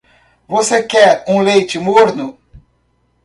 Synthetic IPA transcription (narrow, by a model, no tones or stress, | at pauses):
vosekɛɾũlejt͡ʃɪmoɾnʊ